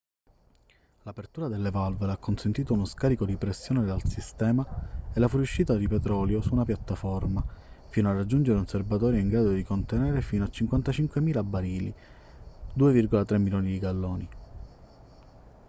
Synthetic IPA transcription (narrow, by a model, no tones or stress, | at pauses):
lapert̪uːɾad̪elːevalvelakːonsent̪iːt̪ounoskaːɾikod̪ipɾesːjoːned̪alsist̪ɛːmaelːafuɾjuʃːiːt̪ad̪ipɛt̪ɾɔːljosuːnapjat̪ːafɔrma | fiːnoarad͡ʒːund͡ʒeɾeservat̪ɔːɾjoiŋɡɾaːd̪od̪ikont̪enɛːɾefiːnoat͡ʃːiŋkwant̪at͡ʃiŋkwemiːlabːaɾiːlḭ | d̪uːevirɡolat̪ɾemːiloːnid̪iɡalːɔːni